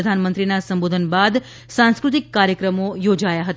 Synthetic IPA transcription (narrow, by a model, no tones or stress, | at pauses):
d̪ʱanmənt̪ɾinasəmbod̪ʱənbad̪ | sãnskɾʊt̪̬ikːaɾjəkɾəmojod͡ʒajaɦət̪